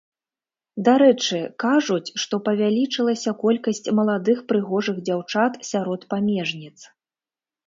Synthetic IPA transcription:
d̪aɾɛt͡ʂɨkaʐut͡sʲʂt̪ɔpɐvʲalʲit͡ʂɨlˠɐsʲɐkɔlʲkɐsʲt͡sʲmɐlˠad̪ɨxpɾɨɣɔʐɨɣd͡zʲawt͡ʂat̪sʲaɾɔt̪pamʲɛʐnʲit̪s

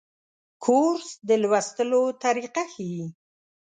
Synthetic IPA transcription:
kʰoɾsd̪əlwast̪əlot̪aɾiqaxiji

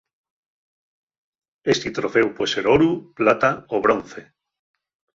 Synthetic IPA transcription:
est̪it̪ɾofewpweseɾoɾuplat̪aoβɾon̟θe

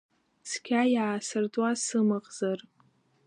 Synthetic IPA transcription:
skʲʰajaːsɨrd͡zʼwasɨmɨqʼzar

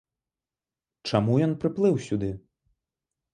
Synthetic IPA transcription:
t͡ʂamujɔnpɾɨplˠɨwsʲud̪ɨ

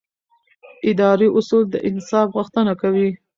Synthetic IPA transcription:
ɪd̪ɑɾiʔʊsuld̪əʔɪnsɑfɣʊxt̪ənakawi

